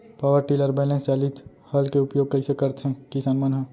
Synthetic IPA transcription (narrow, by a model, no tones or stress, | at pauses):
paːʋəɾʈiləɾbɛːlẽst͡ʃaːlit̪ | hɐlkeʊpjoːɡ̚kɐisekɐɾt̪ɦɛ̃kɪsaːnmɐnɦa